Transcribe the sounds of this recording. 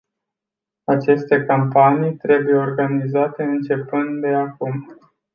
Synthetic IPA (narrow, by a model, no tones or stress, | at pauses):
at͡ʃe̞st̪e̞kampanijt̪ɾe̞buje̞orɡanizat̪e̞ɨnt͡ʃe̞pɨnt̪d̪e̞akum